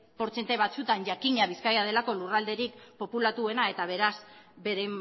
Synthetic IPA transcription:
po̞ɾt͡se̞nt̪eβ̞at͡sut̪anʝakiɲaβiskajaðe̞lako̞lurald̪e̞ɾikpo̞pulat̪ue̞nae̞t̪aβ̞e̞ɾas | be̞ɾem

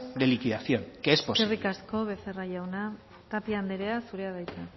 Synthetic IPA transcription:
d̪elikiðaθjonkeesposerikasko̞β̞e̞seraʝawna | t̪apiand̪eɾe̞asuɾe̞að̞ajt̪e

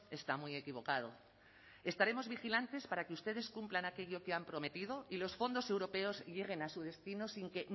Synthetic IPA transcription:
e̞st̪amwie̞kiβ̞o̞kað̞o̞̰ | e̞st̪aɾe̞mo̞zβixilant̪e̞spaɾakeust̪eðe̞skumplanake̞ʎo̞keampɾo̞me̞t̪ið̞o̞ilo̞sfo̞nd̪o̞se̞wɾo̞pe̞o̞zʎe̞ɣ̞e̞nasuð̞e̞st̪inosiŋke̞

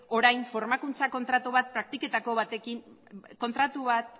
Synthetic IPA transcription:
o̞ɾajnfo̞ɾmakunt͡sako̞nt̪ɾat̪uβat̪̚pɾak̚t̪ike̞t̪ako̞βat̪e̞kinko̞nt̪ɾat̪uβat̪

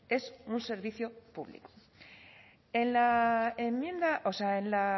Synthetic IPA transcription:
e̞sunse̞ɾβiθjopṵβlḭko̥ | e̞nlaemjẽ̞nd̪aʔoseaenla

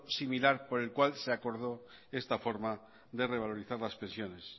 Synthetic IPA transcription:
similaɾpo̞ɾe̞lkwalseako̞ɾð̞o̞ | e̞st̪afo̞ɾma | ðe̞re̞βalo̞ɾiθaɾlaspẽ̞nsjo̞ne̞s

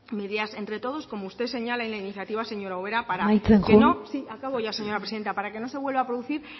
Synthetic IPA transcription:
me̞ðiase̞nt̪ɾe̞t̪o̞ð̞o̞sko̞moust̪e̞se̞ɲalaenlainiθjat̪iβase̞ɲo̞ɾaoβ̞e̞ɾapaɾaajeŋkeunosiakaβoʝase̞ɲo̞ɾapɾeiðe̞nt̪apaɾake̞no̞se̞βwe̞lβapɾoðuθiɾ

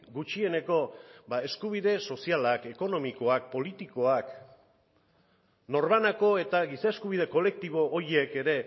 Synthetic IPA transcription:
ɡut͡ʃie̞ne̞ko̞bae̞skuβ̞iðe̞so̞sialake̞ko̞no̞miko̞ak̚po̞lit̪iko̞ak | no̞ɾβanako̞e̞t̪aɡisae̞skuβ̞iðe̞ko̞le̞k̚t̪iβo̞ʔːɾjeke̞ɾe̞

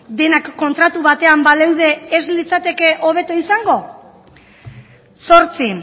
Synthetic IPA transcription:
d̪e̞nakːo̞nt̪ɾat̪uβat̪e̞ambalewð̞e̞ːzlit͡sat̪e̞ke̞ʔo̞β̞e̞t̪oisaŋɡo̞ | so̞ɾt͡si

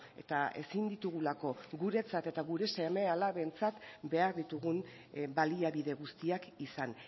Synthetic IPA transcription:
e̞̰t̪ae̞̰sind̪it̪uɣ̞ulako̞ɡuɾe̞t͡sat̪e̞t̪aɣuɾe̞se̞me̞alaβe̞nt͡sat̪be̞aɾðit̪uɣun | baliaβiðe̞ɣ̞ust̪iakisan

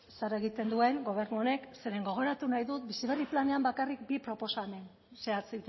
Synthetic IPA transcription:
saɾeɣit̪e̞nd̪ue̞ŋɡo̞β̞e̞ɾnuo̞ne̞kse̞ɾe̞ŋɡo̞ɣ̞o̞ɾat̪unajðut̪bisiɣeriplane̞ambakarik̚bipɾo̞po̞samen | seat͡sit̪

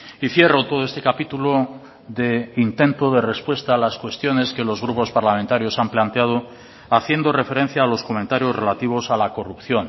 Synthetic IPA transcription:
iθje̞rot̪o̞ð̞oe̞st̪e̞kapit̪ulo | ðe̞int̪e̞nt̪oðe̞re̞spwe̞st̪aːlaskwe̞st̪jo̞ne̞ske̞lo̞zɣ̞ɾupo̞spaɾlamẽnt̪aɾjo̞samplant̪eaðo | aθje̞nd̪o̞re̞fe̞ɾe̞n̟θjaːlo̞sko̞ment̪aɾjo̞zre̞lat̪iβo̞salako̞rupθjo̞n

